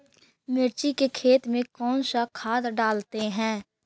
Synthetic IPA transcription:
mɪɾt͡ʃikekʰeːt̪mẽkɔːnsakʰaːd̪ɖaːlt̪eɦɛ̃ː

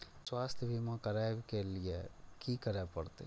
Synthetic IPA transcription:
swaːst̪ʰjbʱimãkɐɾabkeliekikəɾepɐɾt̪ḛ

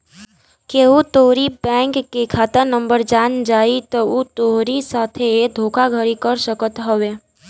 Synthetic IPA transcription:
keut̪oɾibɛ̃ŋkːekʰaːt̪ənəmbəɾd͡ʒaːnd͡ʒaːit̪ɔut̪oɾisat̪ʰed̪ʱoːkʰaɡʱəɾikəɾsəkət̪ɦəʋe

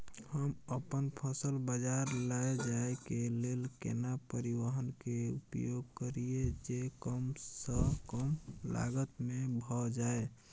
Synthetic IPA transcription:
həməpənpʰəsəlbəd͡ʒaɾlaed͡ʒaekelelkḛnapəɾiwəɦənkeupjoɡ̚kəɾied͡ʒekəmsəkəmla̰ɡət̪mebʱɔd͡ʒae

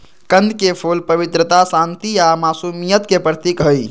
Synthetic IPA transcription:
kənd̪ʱkepʰolpəʋit̪ɾət̪asant̪ijamasumijət̪kepɾət̪ikɦəj

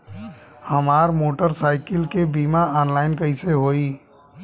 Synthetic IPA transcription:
həmaːɾmoːʈəɾsaːɪkɪlkebiːmaaːnlaːɪnkəɪseɦoːiː

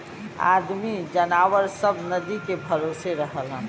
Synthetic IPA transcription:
a̰ːd̪mid͡ʒənaːwəɾsəbnəd̪ikebʱəɾoseɾəɦəlɦɛ̃

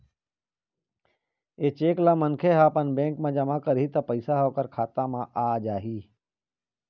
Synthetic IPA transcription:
eːt͡ʃeːklamənkʰeɦaːpənbẽːŋkmãd͡ʒɐmakəɾɦit̪ɐpəɪsaɦoːkəɾkʰaːt̪amãʔaːd͡ʒaːɦiː

